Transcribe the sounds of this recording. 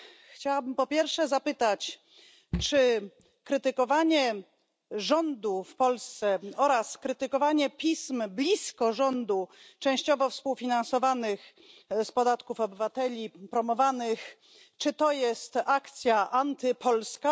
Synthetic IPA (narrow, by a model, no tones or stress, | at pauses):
xt͡ɕawabɘmpɔpʲjɛɾfʂɛzapɘt̪at͡ɕ | t͡ʂɘ | kɾɘt̪ɘkɔvaɲɛ | ʐɔnd̪ufpɔlst̪sɛɔɾaskɾɘt̪ɘkɔvaɲɛpʲismblʲiskɔʐɔnd̪ut͡ʂɛ̃w̃ɕt͡ɕɔvɔfspuwfʲinansɔvanɘx | spɔd̪at̪kufɔbɘvat̪ɛlʲipɾɔmɔvanɘx | t͡ʂɘt̪ɔjɛst̪akt̪sʲjaʔant̪ɘpʰɔlska